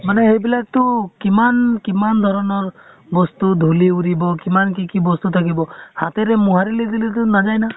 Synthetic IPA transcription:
maneɦebilak̚t̪ukimankimand̪ʱɔɾɔnɔɾ | bɔst̪ud̪ʱuliuɾibɔkimankikibɔst̪ut̪ʰakibɔhat̪eɾemuɦaɾilid̪ilit̪̬unad͡ʒajna

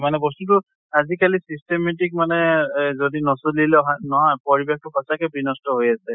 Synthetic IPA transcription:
manɛbɔstut̬ʊ | azikalisistemetik̚manɛzodinɔsolilɛɦanɔɦɔjpɔɹibex̚tʊxʰɔsakɛbɹinɔstɔɦojasɛ

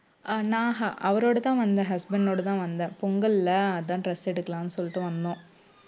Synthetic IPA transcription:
naːɦɐʔɐʋɐɾo̞ːɽut̪ːaːnʋɐnd̪ɐɦɐsbɐɳɖnoːɽut̪aːnʋɐnd̪ɐpuŋɡɐllːɐɐðaːɳʈresːeɽukːɐɭamnːɨsolːiʈːɨʋɐnːo

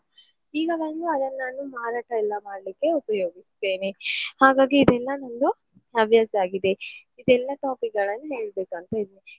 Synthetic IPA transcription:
iːɡɐʋɐnd̪uɐd̪ɐnːaːnumaːɾaːʈɐɛlːɐmaːɽlikːe̞upɐjoːɡist̪e̞ːnehaːɡaːɡiːd̪ɛlːɐnond̪u | ɐbʱjaːsaːɡid̪e̞ | id̪ɛlːɐʈaːpik̚ɡɐɭɐnːuɦe̞ːɭbe̞ːkuɐnt̪ɐid̪ni

